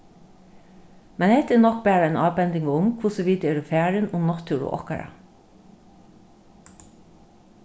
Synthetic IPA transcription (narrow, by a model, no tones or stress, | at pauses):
mɛnhet̪ənɔk̚bæːɾəɛnɑːbɛnd̪ɪŋʊmkʰʋʊsɔʋiːd̪ɛːɖʉːfæːɾənʊmnɑt̪ʰʉɾʊ̰ʔɔ̰kɑ̰ɾɑ̰